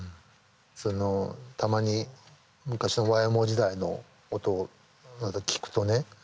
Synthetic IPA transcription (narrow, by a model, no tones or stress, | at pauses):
ɯ̃ | sono̞t̪amaɲ̟i | mɯ̟kaɕino̞βaemo̞d͡ʑid̪aino̞̰ː | t̪o | nad̪akʲi̥kɯ̟̥t̪o̞ne̞